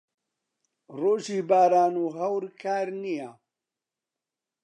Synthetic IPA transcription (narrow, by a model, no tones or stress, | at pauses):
roːʒiːbaːɾaːnuːɦɐwɾkʰaːɾnija